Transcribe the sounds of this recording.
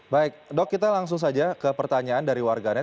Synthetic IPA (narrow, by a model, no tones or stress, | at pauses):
baɪk̚dɔkːit̪alaŋs̬ʊŋs̬ad͡ʒakəpərt̪aɲaandaɾiwarɡana